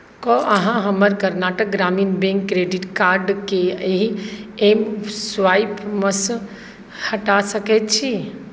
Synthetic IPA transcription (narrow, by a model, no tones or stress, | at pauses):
kɔʔəɦãɦəməɾkəɾnaʈək̚ɡɾaminbẽŋkːɾeɖiʈkaɾɖkeeɦiemsʋajpməs | həʈasəkɛt̪t͡ʃʰi